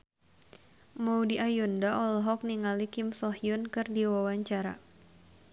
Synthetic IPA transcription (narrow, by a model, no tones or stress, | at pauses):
mawdiʔajundaʔɔlɦɔk̚niŋalikɪmsɔhjunkɨrdiwawaɲt͡ʃaɾa̰